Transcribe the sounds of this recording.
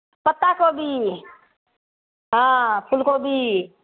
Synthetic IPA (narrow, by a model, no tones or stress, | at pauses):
pət̪ːakobʱi | ɦãːpʰʊlkobʱi